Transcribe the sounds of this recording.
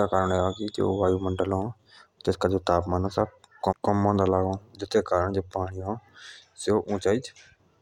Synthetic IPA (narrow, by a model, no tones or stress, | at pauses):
aːkaːɾəɳaːkid͡ʒḛoːʋaːjuːməɳɖəlõː | t̪ɪskaːd͡ʒoːt̪aːpmaːnasakkəmãːd̪aːlaːɡõːd͡ʒɪt̪ʰːeːkaːɾəɳd͡ʒeːpaːɽ̃iːõː | seoːʔũːt͡ʃaːiːd͡ʒ